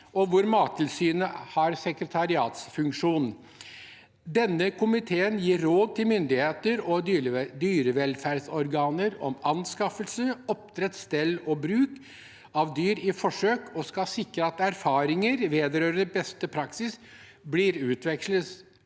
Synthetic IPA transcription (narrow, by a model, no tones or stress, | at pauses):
ɔʋʊɾmɑːt̪ʰɪlsyːnəhɑɾsɛkɾət̪ʰɑɾɪɑːt̪sfʉŋkʂuːn | d̪ɛnːəkʰʊmɪt̪ʰeːənjiːɾːoːd̪̚t̪ʰɪlmʏnd̪ɪheːt̪əɾɔd̪yːɾəʋɛlfæɾɖ̪sɔɾɡɑːnəɾɔ̰mɑnskɑfəlsəɔp̚t̪ɾɛt̪st̪ɛlːɔbɾʉːk | ɑʋd̪yːɾɪfɔʂøːkʰɔskɑsɪkɾəɑt̪æɾfɑːɾɪŋəɾʋeːd̪əɾøːɾənəbɛst̪əpʰɾɑksɪs | blɪɾʉːt̪ʰʋɛksləs